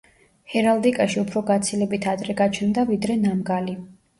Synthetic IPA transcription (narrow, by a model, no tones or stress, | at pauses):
hɛɾald̪ikʼaʃiupʰɾɔɡat̪sʰilɛbit̪ʰad̪ɾɛɡat͡ʃʰnd̪avid̪ɾɛnamɡali